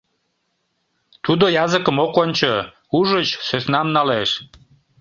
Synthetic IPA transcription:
t̪ud̪ojɑzəkəmokonʲt͡ɕo | uʒət͡ɕsøsnɑmnɑleʃ

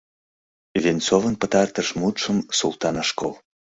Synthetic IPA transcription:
vʲent͡sovənpət̪ɑrt̪əʃmut̪ʃəmsṵlˠt̪ɑnəʃko̰l

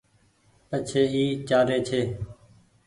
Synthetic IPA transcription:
pət͡ʃʰeːiːt͡ʃaːɾeːt͡ʃʰeː

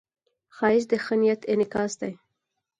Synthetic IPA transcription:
xɑɪʃ̬d̪əxənijat̪ɪnɪkɑsd̪aj

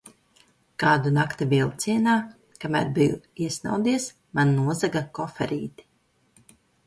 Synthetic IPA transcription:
kaːd̪unakt̪ibiɛlˠt̪siɛnaː | kamæ̰ːɾbijṵiɛsna̰wd̪iɛs | manːuɔzaɡakɔfɛ̰ɾḭːt̪i̥

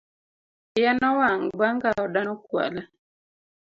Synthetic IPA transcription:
janɔwaŋbaŋɡaɔdanɔkwa̰lɛ

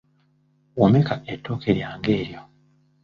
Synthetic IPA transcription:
womekaʔetʰːo̞ːkʰeɾjaːŋɡe̞ːɾjo̞

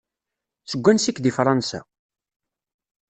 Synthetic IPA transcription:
səɡʷːænsikːd̪ifɾˤɑnsa̰

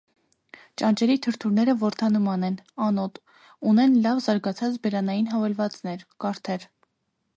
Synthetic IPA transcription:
t͡ʃɑnt͡ʃɛɾit̪ʰəɾt̪ʰuɾnɛɾəvɔɾt̪ʰɑnumɑnɛnɑnɔt̪ | unɛnlɑvzɑɾɡɑt͡sʰɑt͡sbɛɾɑnɑjinɦɑvɛlvɑt͡sn̪ɛɾkɑɾt̪ʰɛɾ

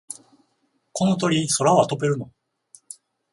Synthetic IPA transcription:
ko̞no̞t̪̬o̞ɾʲiso̞ɾaoat̪o̞be̞ɾɯ̟no

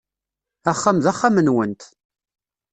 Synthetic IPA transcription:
æχːamðæχːamənwənt̪

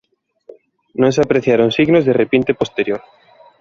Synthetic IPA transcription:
nõŋseapɾeθjaɾoŋsiɣnozðerepint̪epost̪eɾjoɾ

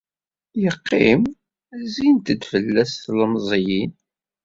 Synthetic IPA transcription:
jəqːim | æzint̪əd̪fəlːæsθləmzˤjin

